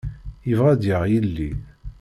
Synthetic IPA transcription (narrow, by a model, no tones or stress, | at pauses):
jəvʁæd̪jəʁjilːi